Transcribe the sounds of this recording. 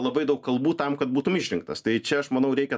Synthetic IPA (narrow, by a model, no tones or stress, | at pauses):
lˠɐbɐɪd̪ɐʊkkɐlˠbuːt̪ɐmkɐt̪buːt̪ʊmɪʃʲɾʲɪŋk̚t̪ɐst̪ɐɪt͡ʃʲɛɐʃmɐnɐʊɾʲɛɪkʲɛ